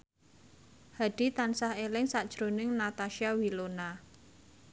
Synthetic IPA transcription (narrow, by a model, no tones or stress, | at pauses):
had̥i̤t̪ansahelɪŋsad̥ʒ̥ɾonɪŋnat̪aʃiawilona